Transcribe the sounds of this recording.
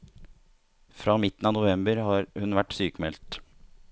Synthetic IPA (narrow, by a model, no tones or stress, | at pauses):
fɾɑːmɪt̪n̩ɑːnʊʋɛmbəɾhɑːɾhʉnʋæʈsyːkmɛlt̪